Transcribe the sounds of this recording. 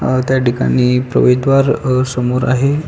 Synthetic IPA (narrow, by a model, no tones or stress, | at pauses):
t̪jaʈika̰niːpɾə̰ʋed̪ʋaɾsəmoɾa̰ɦe